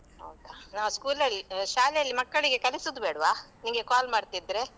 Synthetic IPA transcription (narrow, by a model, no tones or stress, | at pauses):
ɦɐ̰wd̪anaːskuːlɐlːiʃaːlɛjɐlːimɐkːɐɭiɡe̞kɐlisud̪ubeːɽʋaːniŋɡe̞kaːlmaːɽt̪id̪ɾe̞